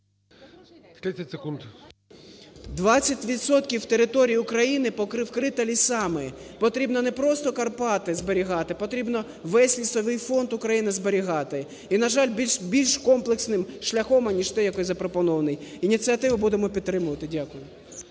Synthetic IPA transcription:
t̪ɾɪsʲɐtʲsekunt̪ | d̪ʋɑt͡sʲːɐtʲʋʲit̪sɔt̪kʲiwt̪eɾɪt̪ɔɾʲijiʊkɾɐjinɪpɔkɾɪwkɾɪt̪ɐlʲisɑmɪpɔt̪ɾʲibnɔnepɾɔst̪ɔkɐrpɑt̪ɪzbeɾʲiɦɑt̪ɪpɔt̪ɾʲibnɔ | ʋɛsʲlʲisɔʋɪjfɔnd̪ʊkɾɐjinɪzbeɾʲiɦɑt̪ɪ | inɐʒɑlʲbbʲilʲʃkɔmplˠeksnɪmʃlʲɐxɔmɐnʲiʃt̪ɛjɐkɔjʲzɐpɾɔpɔnɔʋɐnɪjinʲit͡sʲiɐt̪ɪʋɐbud̪emɔpʲid̪̚t̪ːɾɪmʊʋɐt̪ɪdʲakʊjʊ

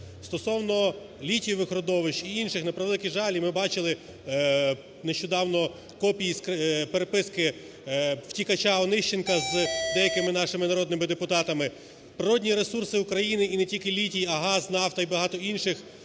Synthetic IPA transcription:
st̪ɔsɔwnɔ | lʲitʲijɔʋɪxɾɔd̪ɔʋɪʃt͡ʃiinʃɪxnɐpɾɐʋlˠɪkʲiʒɑlʲimɪbɑt͡ʃɪlˠɪ | neʃt͡ʃɔd̪ɑwnɔ | kɔpʲijiskpeɾepɪskɪ | w̥tʲikɐt͡ʃaɔnɪʃt͡ʃɪnkɐzd̪ɛjɐkɪmɪnɑʃɪmɪnɐɾɔd̪nɪmɪd̪epʊt̪ɑt̪ɐmɪ | pɾɪɾɔdʲnʲiɾesursɪukɾɐjinɪinetʲilʲkɪlʲitʲijɐɦɑznɑwt̪ɐibɐɦɑt̪ɔinʃɪx

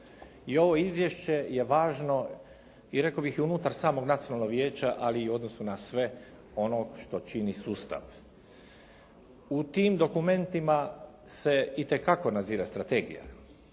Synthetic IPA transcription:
io̞ʋo̞izʋje̞ʃt͡ɕe̞je̞ʋaːʒno̞ | iɾe̞kobixiunut̪aɾsaːmo̞ɡnat̪sionalno̞ɡʋje̞ːt͡ɕaʔaliːuo̞d̪no̞sunasʋe̞ | o̞noʃt̪o̞t͡ʃinisuːst̪a̰ʋ | ut̪iːmd̪o̞kume̞nt̪ima | se̞it̪e̞kako̞naziːɾast̪ɾat̪e̞ːɡḭja̰

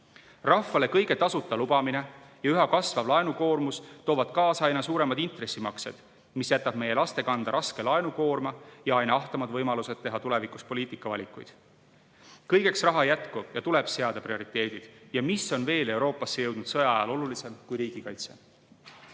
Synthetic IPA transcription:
rɑfːɑle̞kɤjɡ̥e̞t̪ɑsut̪ˑːɑlubɑmine̞jɑyɦɑkɑsvɑvlɑenuko̞ːrmust̪oːvɑd̪̥kɑːsɑjnɑsuːɾe̞mɑd̪int̪re̞sːimɑkse̞̰d̪̥ | misjæt̪ːˑɑb̥me̞je̞lɑst̪e̞kɑnd̪̥ɑɾʔɑske̞lɑenuko̞ːrmɑjɑɑjnɑɑht̪ɑmɑd̪vɤjmɑluse̞d̪̚t̪ːe̞ɦɑt̪ule̞vikuspo̞lʲiːt̪ːˑikːˑɑvɑ̰lʲikˑujd̪̥ | kɤjɡe̞ksrɑɦɑjæt̪kujɑt̪ule̞b̥se̞ɑd̪ɑprio̞ɾit̪ˑːe̞ːd̪̥id̪̥jɑmiso̞nve̞ːle̞wɾo̞ːpːˑɑsːejɤwd̪̥nud̪̥sɤjɑjɑlo̞lulise̞mkujɾiːɡ̥ikɑjt̪se̞̰

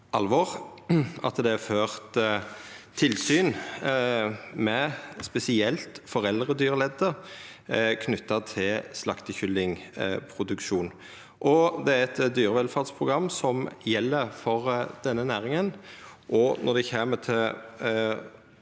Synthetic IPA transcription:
ʔɑlʋɔʁ | ɑ̰t̪d̪ɛæføːʁt̪ʰː | ɪlsyːn | mɛspɛsɪɛlt̪fɔɾɛld̪ʁəd̪yːɾəlɛd̪ːə | kʰnʏt̪ːɑt̪ʰɪlslɑkt̪əçʏlːɪŋpʰɾʊd̪ʉkʃuːn | ʔɔd̪ɛæɾɛt̪d̪yːɾəʋɛlfɑʁd̪spʰʁʊɡʁɑmːsɔmjɛlːəɾfɔʁd̪̥ɛnːənæːɾɪŋənʔɔnɔd̪ɛçeːmət̪ʰɪl

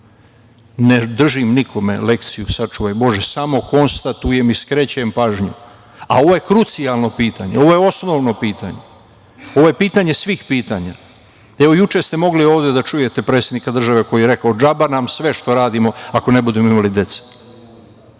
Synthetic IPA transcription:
ned̪r̩ʒimnikʰo̞me̞̰le̞kt̪sijusat͡ʃuʋajbo̞ʒesamo̞ko̞nst̪at̪uje̞miskɾet͡ɕeempaːʒɲṵ | a̰o̞ʋo̞je̞kɾut̪sialno̞piːt̪aɲeo̞ʋo̞jeo̞sno̞ʋno̞piːt̪a̰ɲe | o̞ʋojepiːt̪aɲe̞sʋiːxpiːt̪aːɲa̰ | eʋo̞jut͡ʃe̞st̪e̞mo̞ɡlioːʋd̪e̞d̪at͡ʃuje̞t̪e̞pɾet̪sjed̪nikad̪r̩ʒaʋe̞ko̞jieɾe̞kaod͡ʒabanamsʋe̞ʃt̪o̞ɾaːd̪imo̞ako̞ne̞bud̪emoimalid̪e̞t̪se̥

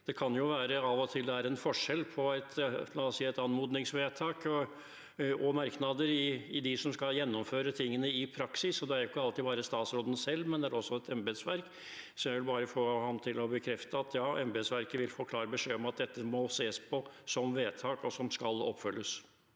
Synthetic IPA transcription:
d̪̥ɛkʰɑnjʊʋæːɾəɑːʋɔt̪ʰɪld̪ɛæːɾɛnfɔʂɛlpʰɔæɪt̪lɑɛsiːæɪt̪ɑnmuːd̪nɪŋsʋeːt̪ʰɑːk | ɔmɑɾknɑd̪əɾɪɪd̪ɪsɔmskɑljɛnːɔmføːɾət̪ʰɪŋːənəɪpʰɾɑksɪsɔd̪ɛæɾjʊkːəɑlt̪iːbɑːɾəst̪ɑːt̪sɾoːd̪ən̩sɛlːmɛnd̪ɛæɾɔsːɔɛt̪ʰɛmbesʋæɾk | sɔmjæɪʋɪlbɑːɾəfoːhɑmt̪ʰɪlɔbəkʰɾɛft̪əɑt̪ʰjɑːɛmbesʋæɾkəʋɪlfoːkʰlɑːɾəbəʂeːɔmɑt̪̚d̪ɛt̪ːəmɔseːspʰɔsɔmʋeːt̪ʰɑːkɔsɔmskɑlɔ̰pːfœlːəs

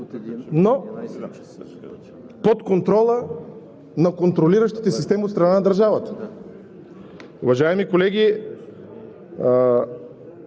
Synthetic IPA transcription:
no | pot̪kont̪ɾɔlˠə | nɐkont̪ɾoliɾəʃt̪i̥t̪ɛsist̪ɛmiot̪st̪ɾɐnanɐd̪ɐɾʒavət̪ə̥ | ʊvɐʒaɛmikolɛɡʲi

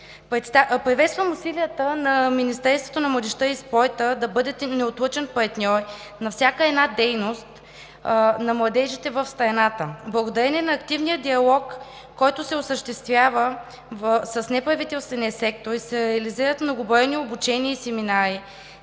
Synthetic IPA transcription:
pɾɛt̪st̪apɾivɛt̪st̪vəmusilijət̪ənɐminist̪ɛɾst̪vo̥t̪onɐmlˠɐd̪ɛʃt̪əispɔjt̪əd̪ɐbɤd̪ɛt̪ɛnɛot̪lˠɤt͡ʃɛnpɐɾt̪nʲɔɾ | nɐfsʲakəɛd̪nad̪ɛjnost̪ | nɐmlˠɐd̪ɛʒit̪ɛvəfst̪ɾɐnat̪əblˠɐɡod̪ɐɾɛnʲɛnɐːkt̪ivnijəd̪iɐlˠɔkː | ɔjt̪ʊsɛosəʃt̪ɛst̪vʲjavə | səsnɛpɾɐvit̪ɛlˠst̪vɛniəsɛk̚t̪oɾisɛɾɛɐliziɾət̪mnoɡʊbɔɛniobut͡ʃɛniəisɛminaɾi

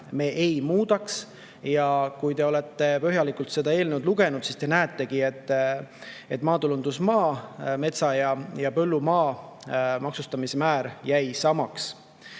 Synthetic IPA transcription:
me̞ːʔejmuːd̪ɑks | jɑkujt̪e̞o̞le̞t̪ːˑe̞pø̞ɦjɑlikult̪se̞d̪ɑe̞ːlnewd̪luɡ̥e̞nud̪̥sist̪e̞næːet̪ːˑe̞ɡ̥ie̞t̪ː | e̞t̪ːˑmɑːt̪ulund̪usmɑːme̞t̪sɑjɑjɑpø̞lːumɑː | mɑksust̪ɑmisemæːɾjæjsɑmɑks

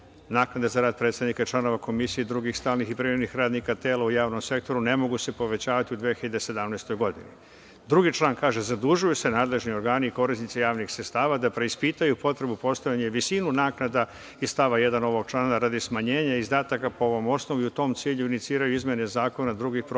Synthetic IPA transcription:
naːknad̪ezaɾaːd̪̚pɾet̪sad̪nikait͡ʃlano̞ʋako̞misijed̪ɾuɡixst̪aːlnixipɾiɾenixɾaːd̪nikat̪e̞ːlˠaujaːʋno̞mse̞k̚t̪o̞ɾune̞mo̞ɡuse̞po̞ʋe̞t͡ɕaːʋat̪iud̪ʋijexiʎad̪ese̞d̪amnajst̪o̞jɡo̞d̪ḭnḭ | d̪ɾuɡit͡ʃlˠaːnkaːʒe̞zad̪uʒujuse̞naːd̪le̞ʒnio̞ɾɡaːniːko̞ɾisnit̪sijaːʋnixsɾet̪st̪aːʋad̪apɾe̞ispit̪ajupo̞t̪ɾe̞bupo̞st̪oʎaɲeʋisinunaːknad̪a | ist̪aʋaje̞d̪ano̞ʋo̞ɡ̚t͡ʃlˠaːnaɾad̪ismaɲe̞ːɲaizd̪aːt̪akapoo̞ʋo̞mo̞sno̞ʋiut̪o̞ːmt̪siːʎuinit̪siːɾajuizmjene̞zaːko̞nad̪ɾuɡixpɾo

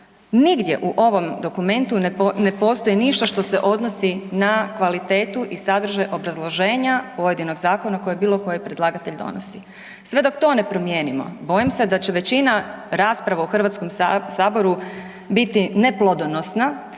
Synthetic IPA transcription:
niɡd̪je̞̰ʔuʔo̞ʋo̞md̪o̞kume̞nt̪unepo̞ːst̪o̞jiniʃt̪oʃt̪o̞se̞̰ʔo̞d̪no̞sinakʋalit̪e̞ːt̪uʔisad̪r̩ʒajʔo̞bɾazlˠo̞ʒe̞ːɲapo̞je̞d̪ino̞ɡzaːko̞nako̞jebiːlˠo̞ko̞jipɾe̞d̪laːɡat̪e̞ʎd̪o̰no̰si | sʋe̞d̪o̞kt̪o̞ːne̞pɾo̞mjeːnimo̞̰bo̞jimse̞d̪at͡ɕe̞ʋe̞t͡ɕinaɾaːspɾaʋauxr̩ʋat̪sko̞msaːbo̞ɾu | bit̪ine̞plˠod̪ono̞sna

